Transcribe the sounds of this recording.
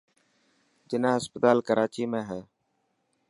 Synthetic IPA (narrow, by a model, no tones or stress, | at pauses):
d͡ʒɪnãːɦəspət̪aːlkəɾʔaːt͡ʃiːmẽːɦɛː